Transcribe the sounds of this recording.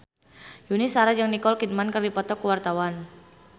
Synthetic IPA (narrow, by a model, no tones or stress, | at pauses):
junisaɾad͡ʒəŋnikɔlkid̚mankərdipɔt̪ɔkuwart̪awan